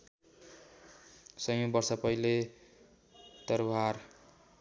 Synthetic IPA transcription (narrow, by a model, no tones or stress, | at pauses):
sʌjobʌrsʌpʌile | t̪ʌrbʱar